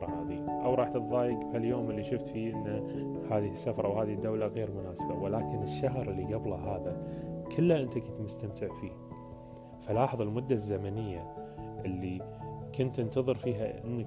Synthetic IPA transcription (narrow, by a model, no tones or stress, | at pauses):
ɾˤɑhaːðḭʔawɾˤɑːħt̪ɪt̪ðɑːjɪɡbhaljoːmɪlːiʃʊft̪fiʔɪnːa | haːðɪsːafɾˤɑwhaːðid̪ːawlaɣeːɾmʊnaːsbawɪlaːkɪnɪʃːaɦɾɪlːiɡɑblɑɦaːðakʰɪlːaʔɪnt̪akʊnt̪mʊst̪amt̪ʰɪʕfiːh | falɑːħɑðˤɑlmʊd̪ːazːamanɪjːaʔɪlːi | kʊnt̪ʔɪnt̪ɑðˤɨɾfiːɦa̰ʔɪ̰nːa